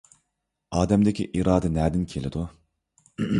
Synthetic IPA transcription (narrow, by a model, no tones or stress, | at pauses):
ɑːd̪ɛmd̪ekʲʰiʔiɾɑːd̪ɛnæːd̪ɪnkʲʰelɪd̪u